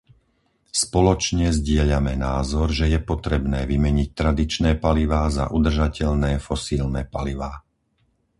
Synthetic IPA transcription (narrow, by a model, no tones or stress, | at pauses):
spɔlɔt͡ʃɲɛzɟɪɛʎamɛnaːzɔɾʒɛjɛpɔt̪ɾɛbnɛːʋimɛɲic̚t̪ɾad̪it͡ʃnɛːpaliʋaːza̰ʔud̪r̩ʒacɛʎnɛːfɔsiːlnɛːpaliʋaː